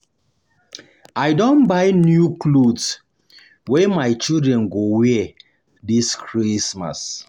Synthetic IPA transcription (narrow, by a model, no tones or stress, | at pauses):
aɪdõnbajnjuklods | wɛmaɪt͡ʃildɹɛ̃nɡowɛ | diskɹisma̰s